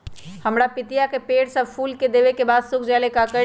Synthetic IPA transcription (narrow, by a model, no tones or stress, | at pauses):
hɐmɾapɪt̪ijakepeːɽsɐbfʰuːlked̪eːʋekebaːd̪sʊkʰd͡ʒaːlekaːkə